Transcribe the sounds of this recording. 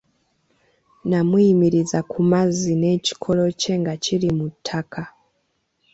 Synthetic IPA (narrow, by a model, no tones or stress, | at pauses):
namuimiɾizakʰumazineci̥kʰolo̞t͡ʃeŋɡat͡ʃiɾimutʰakʰa